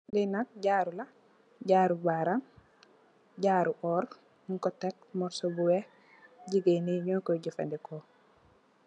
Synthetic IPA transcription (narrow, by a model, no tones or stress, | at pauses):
linak̚ɟaːɾula | ɟaːɾubaɾam | ɟaːɾuʔɔːɾ | ŋkɔtek̚mɔɾsobuwe | ɟiɡeniɲɔkoɟifḛndiko